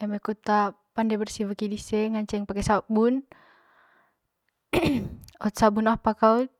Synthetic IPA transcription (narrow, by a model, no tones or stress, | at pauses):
ɛmɛkut̪a | pandɛbərsivəkidisɛŋaɲt͡ʃɛŋpakɛsabun | ɔt̪sabunahpakaut̪̚